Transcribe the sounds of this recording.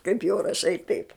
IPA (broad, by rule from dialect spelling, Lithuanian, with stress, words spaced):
kɐɪp jɛʊ rɐˈʃɐɪ tɐɪp